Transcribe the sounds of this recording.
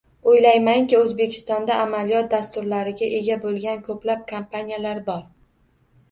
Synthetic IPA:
ojlajmaŋkʲɪɵzbe̞kʲʰɪ̥st̪ɒnd̪aʔːmalijɒt̪̚d̪ast̪ʊɾlaɾɪɡʲaʔe̞ɡʲabolˠɡʲankʰɵplap̚kʰampʰanʲijalaɾbɒɾ

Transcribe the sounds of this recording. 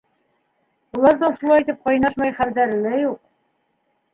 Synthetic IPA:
ulˠɑɾðɑʃulˠɑjit̪ɘp̚qɑjnɑʃmɑjχæld̪æɾɘ̆læjuq̚

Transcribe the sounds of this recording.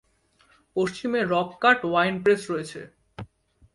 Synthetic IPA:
poʃt͡ɕimeɾɔb̚kaʈwajnpɾesɾɔet͡ɕʰḛ

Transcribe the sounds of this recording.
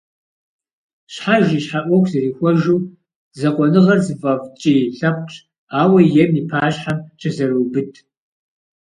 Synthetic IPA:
ɕħaʒiːɕħaʔʷɔkʷʰzɐriːxʷɔʒuː | zɐqʷʼɔnɨʁɐrzɨvɐvt͡ʃʼiːɬɐp̚ʷʼʈ͡ʂʼʰ | aːwɐjɛmipʰaːɕħamt͡ʃʰʼɐzɐruwbɨtʰ

